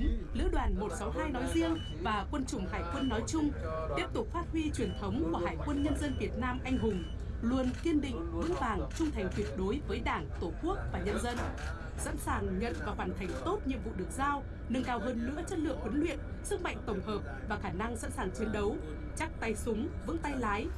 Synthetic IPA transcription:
lɨ̰˧˥əɗwaː˨˩nmo˨˩t̚sa˨˦wɦaː˧jnɔ˨˦jzi˧əŋ | vaː˨˩kwə˧nt͡ɕʊ˨˧˩ŋ͡mhaː˨˩jkwə˧nːɔ˨˦jt͡ɕʊ˧ŋ͡m | t̪i˦˥əp̚t̪ʊ˨˩k͡p̚faː˦˥t̚hwi˧t͡ɕwi˨˩ənt̪ʰə˨˦wŋ͡mku˧˩əhaː˨˩jkwə˧nɲə˧nzə˧nvi˨˩ət̚naː˧mʔa˧jŋ̟ɦʊ˨˩ŋ͡m | lu˧ənki˧ənɗḭ̈˧˨ŋ̟vɨ̰˧˥ŋvaː˨˩ŋt͡ɕʊ˧ŋ͡mt̪ʰa˨˩jŋ̟t̪ʰwi˨˩ət̚ɗo˨˦jvəː˨˦jɗaː˧˩ŋt̪o˧˩ku˦˥ək̚vaː˨˩ɲə˧nzə˧n | sa̰˧˥nsaː˨˩ŋɲə̰˧˨nvaː˨˩faː˨˩nt̪ʰa˨˩jŋ̟t̪o˦˥t̚ɲḭ˧˨əmvṵ˧˨ɗɨ˨˩ək̚zaː˧w | nɨ˨˧˩ŋkaː˨˩wɦəː˨˩nlɨ̰˧˥ət͡ɕə˦˥t̚lɨ̰˧˨əŋhwə˨˦nlwḭ˧˨ən | sɨ˦˥k̚ma̰˧˨jŋ̟t̪ə˧˩wŋ͡mhəː˨˩p̚vaː˨˩xaː˧˩na˧ŋsa̰˧˥nsaː˨˩ŋt͡ɕi˨˦ənɗə˨˦w | t͡ɕa˦˥k̚t̪a˧jsʊ˨˦ŋ͡mvɨ̰˧˥ŋt̪a˧jlaː˨˦j

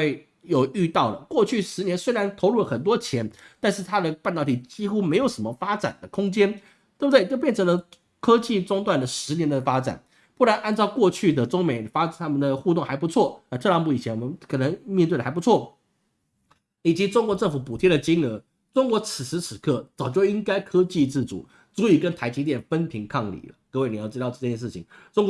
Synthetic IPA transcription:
e˥˩ɪ | jo˨˩ʊy˥˧t̪ɑ˥˩ʊlə˩kwɔ˥˧t͡ɕʰy˥˩ʂɻ̩˧˥njɛ˧˥nswe˥ɪɻa˧˥nt̪ʰo˧˥ʊlu˥˩lə˩xə˨˩nt̪̬wɔ˥t͡ɕʰjɛ˧˥nt̪a˥˧nʂɻ̩˥˩t̪ʰa˥d̪ə˨pnt̪ɑ˥˩ʊt̪i˥˩t͡ɕi˥xu˥me˧˥ɪjo˨˩ʊʂə˧˦˥mə˧fa˥ʈ͡ʂa̰˨˩nd̪ə˦kʰʊ˥ŋt͡ɕjɛ˥n | t̪bd̪wɪt͡ɕjp̬jɛ˥˩nʈ͡ʂʰɤ˧˥ŋlə˧ | kʰɤ˥t͡ɕi˥˩ʈ͡ʂʊ˥ŋt̪wa˥˩nd̪ə˩ʂɻ̩˧˥njɛ˧˥nd̪ə˨fa˥ʈ͡ʂa̰˨˩˦n | pu˥˩la˧˥nʔa˥˧nt͡sɑ˥˧ʊkwɔ˥˧t͡ɕʰy˥˩d̪ə˩ʈ͡ʂʊ˥ŋme˨˩ɪ˩fa˥˨˩t̪ʰa˥mə˨nd̪ə˩xu˥˧t̪ʊ˥˩ŋxa˧˥ɪpu˧˥t͡sʰwɔ˥˩na˧t̪ʰɤ˥˧˩jɑ˧˥ŋpu˥˩i˨˩t͡ɕʰjɛ˧˥nwɔ˨˩mə˦nkʰɤ˨˩nə˧˦ŋmjɛ˥˧nt̪wɪə˨a˧˥ɪpu˧˥t͡sʰwɔ˥˩ | i˨˩t͡ɕi˧˥ʈ͡ʂʊ˥ŋkwɔ˧˦ʈ͡ʂɤ˥˩ŋfu˨˩pu˨˩t̪ʰjɛ˥d̪ə˨t͡ɕi˥ŋə˧˥ | ʈ͡ʂʊ˥ŋkwɔ˧˥t͡s̩ʰ˨˩ʂɻ̩˧˥t͡sʰɻ̩˨˦kʰɤ˥˩t͡sɑ˨˩ʊt͡ɕjo˥˩ʊi˥ŋka˥ɪkʰɤ˥t͡ɕi˥˧ʈ͡ʂ̩˥˩t͡sṵ˨˩˦ | t͡su˧˥i˨˩kə˧˥nt̪ʰa˧˥ɪt͡ɕi˧˥t̪jɛ˥˩nfə˥npʰi˧˥ŋkʰɑ˥˩ŋlḭ˨˩lə̰˦kɤ˥˧we˥˩ni˨˩jʊt͡ɕi˥t̪ɑ˥˧ʊʈ͡ʂɤ˥˧˩t͡ɕjɛ˥˧nʂɻ̩˥˩t͡ɕʰḭ˨˩ŋʈ͡ʂʊ˥ŋk

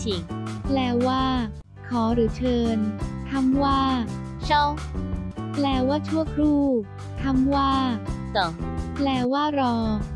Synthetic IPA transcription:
t͡ɕʰi˨˩˦ŋplɛː˧˩waː˥˩ | kʰɔː˩˦ɾɯː˩˦t͡ɕʰɤː˧nt̪ʰa˧˥˩mwaː˥˩ɕʰɔ˥˩w | plɛː˧waː˥˩t͡ɕʰu˥˩əkʰɾuː˥˩ | t̪ʰa˧˥˩mwaː˥˩sɔ˨˩˦ŋplɛː˧waː˥˩ɾɔː˧

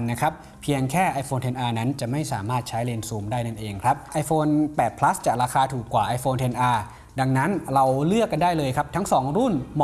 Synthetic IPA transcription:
nːa˦˥kʰɾa˦˥p̚ʰːi˧əŋkʰɛː˥˩ʔa˧jfoː˧nt̪ʰe˧nʔaː˧na˦˥nt͡ɕa˨˩ma˥˩jsaː˩˦maː˥˩t̪̚t͡ɕʰa˦˥jleː˧nsuː˨˩mdaː˥˩jna˥˩nʔeː˧ŋkʰɾa˦˥p̚ʔa˧˥jfoː˧npɛː˨˩t̪̚pʰla˦˥st͡ɕaː˨˩k̚ɾaː˧xʰaː˧t̪ʰuː˨˩kːwaː˨˩ʔa˧jfoː˧nt̪ʰe˧nʔaː˧ | da˧ŋna˦˥nɾa˧wlɯ˥˩əkːa˧ndaː˥˩jlɤː˧jkʰa˦˥p̚t̪ʰa˦˥ŋsɔː˩˦ŋɾu˥˩nmɔ˨

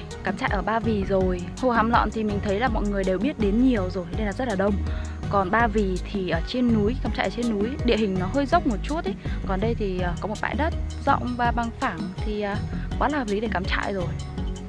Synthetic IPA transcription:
kaː˨˦mt͡ɕa̰ː˧˨ʔəː˧˩ɓaː˧vi˨˩zo˨˩j | ho˧˩haː˨˦mlɔ̰˧˨nt̪ʰi˨˩mï̟˨˩t̪ʰə˨˦jlaː˨˩mɔ̰˧˨jŋɨ˨˩əjɗe˨˩wɓi˦˥ət̚ɗe˨˦nɲi˨˩əwzo˨˩jɗə˧jnaː˨˧˦zə˦˥t̚laː˨˩ɗə˧wŋ͡m | kɔ˨˩nɓaː˧vi˨˩t̪ʰi˨˩ʔəː˧˩t͡ɕe˧nːu˨˦jkaː˨˦mt͡ɕa̰ː˧˨ʔə˨t͡ɕe˧nːu˨˦jɗḭ˧˨ɦï˨˩ŋ̟nɔ˨˦ɦəː˧jzə˦˥wk͡p̚mo˨˩t̚t͡ɕu˦˥ət̚e˨˦kɔ˨˩nɗə˧jt̪ʰi˨˩ʔəː˨˩kɔ˨˦mo˨˩t̚ɓa̰ː˧˨jɗə˦˥t̚zɔ̰˧˨wŋ͡mvaː˨˩ɓa˨˧˩ŋfaː˧˩ŋt̪ʰi˨˩ʔəː˨˩ɓaː˨˦laː˨˩hə˨˩pli˨˦ɗe˧˩kaː˨˦mt͡ɕa̰ː˧˨jzo˨˩j

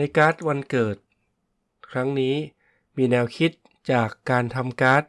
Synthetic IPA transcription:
a˧jkaː˦˥t̪̚wa˧nkɤː˨˩t̪̚ | kʰɾa˦˥ŋniː˦˥ | miː˧nɛː˧wkʰi˦˥t̪̚ | t͡ɕaː˨˩kːaː˧nt̪ʰa˧mkaː˦˥t̪̚

